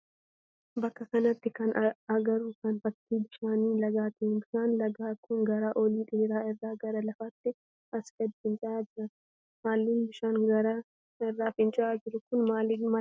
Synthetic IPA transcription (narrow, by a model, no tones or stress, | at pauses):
bɐkːɐkɐnɐt̪ːɪkɐnɐɡɐɾuːkɐnfɐt̪ːiːbɪʃaːniːlɐɡaːt̪ɐɪnbɪʃaːnlɐɡaːkːʊŋɡɐɾaːʔoliːᶑ̪ʼeːɾaːɪrːaːɡɐɾɐlɐfaːt̪ːɪ | ʔɐsɡɐd̪ːɪhɪnt͡ʃʼɪʔaːd͡ʒɪɾɐ | haːlːiːnbɪʃaːnɡɐɾa | ɪrːaːfɪnt͡ʃʼɪʔaːd͡ʒɪɾʊkʊnmaːliːnmɐ